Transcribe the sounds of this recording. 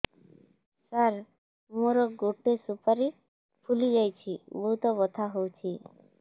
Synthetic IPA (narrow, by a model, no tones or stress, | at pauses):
saɾ | muɾɔɡoʈesupaɾi | pʰulid͡ʒajt͡ʃʰibɔɦut̪ɔbɔt̪ʰaɦowt͡ʃʰi